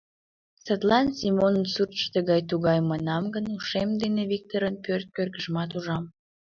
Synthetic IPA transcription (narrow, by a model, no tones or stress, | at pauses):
sət̪lɑnsimonənsurt͡ɕt̪əɣɑjt̪uɣɑjmənɑmɡənuʃemd̪eneβik̚t̪oɾənpørt̪̚kørɣəʒmɑt̪uʒɑm